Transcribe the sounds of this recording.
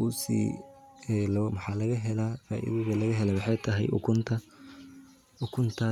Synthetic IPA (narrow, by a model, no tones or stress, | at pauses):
usḭːɛlmħɑːlɐɣɐɦɛlafa̰ːʔḭðɐɣɐlɐɣɐɦɛlɛwʊħɑjt̪ʰɐɦɛ̰jʔʊkʰʊnt̪ʰɐ | ʊkʰʊnt̪ʰa